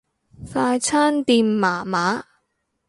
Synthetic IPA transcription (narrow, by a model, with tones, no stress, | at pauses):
saː˧jt͡sʰaː˥nt̪iː˧mːaː˨˩maː˨˥